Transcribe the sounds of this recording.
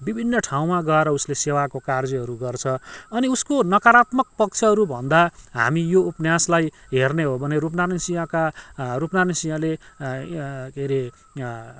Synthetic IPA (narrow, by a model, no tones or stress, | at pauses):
bibʱinːʌʈʰaw̃maɡʌeɾʌuslesewakokard͡ziɦʌɾuɡʌrt͡sʰʌʌniuskonʌkaɾat̪mʌk̚pʌk̚t͡sʰʌɦʌɾubʱʌnd̪aɦa̰mijoupnjaslajɦerneɦobʱʌneɾup̬nanisijãkarupnanisijãle | keɾe